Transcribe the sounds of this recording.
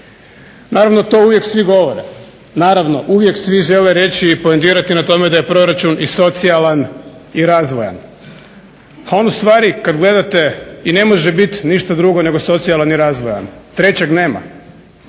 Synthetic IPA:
naːɾaʋno̞t̪o̞uʋje̞ksʋiɡo̞ʋoɾḛ | naːɾaʋno̞ʔuʋje̞ksʋiʒe̞leɾe̞t͡ɕiːpoent̪iːɾat̪inat̪o̞med̪aje̞pɾo̞ɾat͡ʃuniso̞t̪sialan | iɾaːzʋoja̰n | ao̞nust̪ʋaːɾikad̪ɡle̞d̪at̪e̞ine̞mo̞ʒebit̪niʃt̪ad̪ɾuɡo̞ne̞ɡo̞so̞t̪sijalaniɾaːzʋoja̰nt̪ɾe̞t͡ɕeɡneːma̰

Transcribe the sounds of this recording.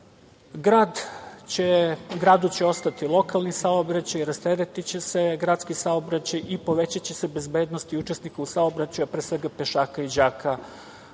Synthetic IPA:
ɡɾaːd̪eɡɾaːd̪ut͡ɕe̞o̞st̪at̪ilˠo̞kalˠnisaobɾat͡ɕajɾast̪eɾet̪it͡ɕe̞se̞ɡɾaːt̪skisaobɾat͡ɕajipo̞ʋe̞t͡ɕat͡ɕe̞se̞be̞zbe̞ːd̪nost̪iut͡ʃe̞snikausaobɾat͡ɕuapɾeːsʋe̞ɡapeʃaːkaid͡ʑaːkʰa

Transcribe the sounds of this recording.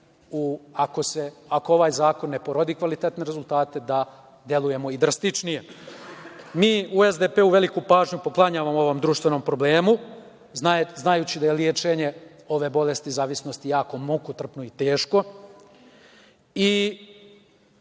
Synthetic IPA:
uako̞se̞akoo̞ʋaːjzaːko̞nːe̞poɾod̪iːkʋalit̪et̪ne̞ɾezulˠt̪aːt̪e̞d̪a | d̪je̞luje̞mo̞id̪ɾast̪it͡ʂnije̞ | miːue̞zd̪epeuʋe̞likupaːʒɲupo̞klˠaɲaːʋamo̞ʋo̞md̪ɾuːʃt̪ʋe̞no̞ːmpɾo̞ble̞ːmu | naznajut͡ɕid̪ajeljet͡ʃe̞ɲe | o̞ʋe̞bo̞le̞st̪izaːʋisno̞st̪ijaːko̞mukot̪r̩pnoit̪eːʃko̞ | i

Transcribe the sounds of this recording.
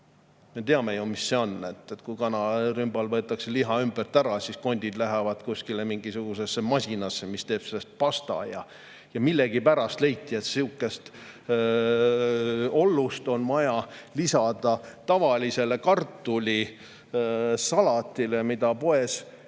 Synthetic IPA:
me̞t̪eɑme̞jumisːe̞o̞nːe̞t̪ːˑet̪ːˑkujkɑnɑrymbɑlvɤ̞et̪ːˑɑkse̞liɦɑymb̥ərt̪æɾɑsisko̞nʲd̪̥ʲid̪̥læɦævɑd̪̥kuskilemiŋɡ̥isuɡ̥use̞sːemɑsʲinɑsːemist̪e̞ːb̥se̞lːest̪̚pɑst̪ɑ̰jɑ̰ | jɑmilːeɡ̥ipæɾɑst̪le̞jt̪ˑːiet̪siukːˑe̞st̪ | o̞lːust̪o̞nvɑjɑlisɑd̪̥ɑt̪ɑvɑlʲise̞le̞kɑrt̪ːˑulʲi | sɑlɑt̪ːˑilemid̪̥ɑpo̞e̞s

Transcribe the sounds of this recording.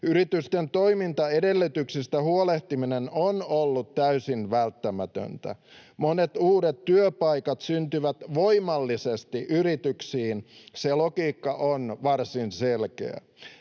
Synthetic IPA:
yɾit̪yst̪ent̪oimint̪ɑedelːyt̪yksist̪æhuoleht̪iminenonolːut̪tæysinʋælt̪ːæmæt̪ø̰nt̪æ̰monet̪uːɾet̪tyøpɑikɑt̪synt̪yʋæt̪ʋoimɑlːisest̪iʔyrit̪yksiːnselokiːkːɑʔonʋɑrsinselkḛæ̰

